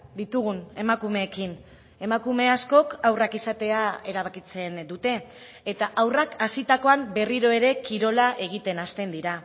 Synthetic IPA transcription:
d̪it̪uɣ̞une̞makume̞ːkin | e̞makume̞asko̞kawrakisat̪e̞ae̞ɾaβ̞akit͡se̞nd̪ut̪e̞ː | t̪aʔawrakasit̪ako̞ambe̞riɾo̞e̞ɾe̞kiɾo̞laʔe̞ɣ̞it̪e̞nast̪e̞nd̪iɾa

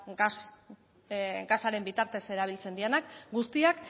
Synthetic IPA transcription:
ɡasaɾe̞mbit̪aɾt̪e̞se̞ɾaβ̞ilt͡se̞nd̪ienakɡust̪iak

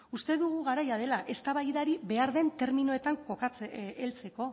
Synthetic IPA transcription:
ust̪e̞ðuɣ̞uɣaɾajað̞e̞laʔe̞st̪aβajðaɾiβe̞aɾðe̞nt̪e̞ɾminoe̞t̪aŋko̞kat͡seelt͡se̞ko̞

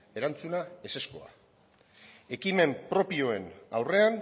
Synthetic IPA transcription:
e̞ɾant͡sunae̞se̞sko̞a̰ | e̞kime̞mpɾo̞pio̞e̞nawre̞an

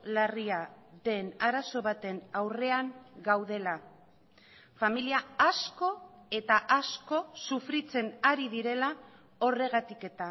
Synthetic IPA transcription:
lariaðe̞naɾaso̞βat̪e̞nawre̞aŋɡawð̞e̞la | familiaasko̞e̞t̪aʔasko̞sufɾit͡se̞naɾiðiɾe̞la | o̞re̞ɣ̞at̪ike̞t̪a

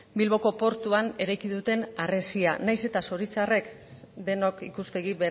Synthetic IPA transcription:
bilβo̞ko̞po̞ɾt̪uane̞ɾajkiðut̪e̞nare̞sianajse̞t̪aso̞ɾit͡sare̞k | d̪e̞nokikuspe̞ɣ̞iβe

